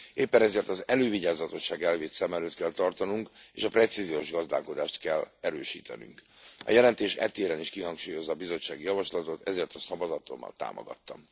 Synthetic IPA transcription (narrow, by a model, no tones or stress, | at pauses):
eːpːɛnɛzeːrt̪ɒzɛløːviɟaːzɒt̪o̞ʃːaːɡɛlveːt̪sɛmɛløːt̪kɛlt̪ɒrt̪ɒnuŋkeːʃɒprɛt̪sizijoːʒɡɒzd̪a̰ːlko̞d̪aːʃt̪kɛlːɛɾøːʃḭːt̪ɛ̰ny̰ŋk | ɒ̰jɛlɛnt̪eːʃɛ̰t̪eːɾɛniʃkiɦɒŋkʃuːjo̞zːɒːbizo̞t͡ʃːaːɡijɒvɒʃlɒt̪o̞t̪ɛzeːrt̪ɒsɒvɒzɒt̪o̞̰mːɒ̰lt̪a̰ːmʔo̰ɡɒ̰t̪ːɒ̰m